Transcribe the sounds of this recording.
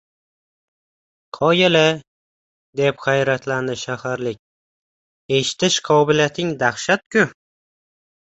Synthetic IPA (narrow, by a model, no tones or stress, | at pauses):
qʰɒjɪlɪ | d̪e̞pχajɾat̪ʰland̪ɪʃahaɾlɪk̚ʲ | e̞ʃɪ̥t̪ʰɪʃqʰɒbɪljat̪ʰɪŋd̪aχʃat̪̚kʲʊ